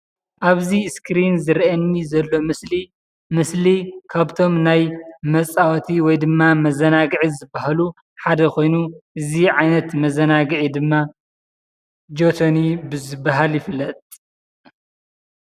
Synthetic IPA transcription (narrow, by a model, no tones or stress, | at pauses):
ʔaβziskɾinzɨɾʔɐnːizɐlːo̞mɨsli | mɨslikʰaβt̪ʰo̞mnajmɐt͡sʼawɐt̪ʰiwɔjd̪ɨmːamɐzɐnaɡʕizɨbaɦlu | ħad̪ɐkʰo̞jnuʔɨziʕajnɐt̪mɐzɐnaɡɨʕid̪ɨmːa | d͡ʒot̪ʰonibɨzɨbːaɦaljɪflːɐt̪ʼ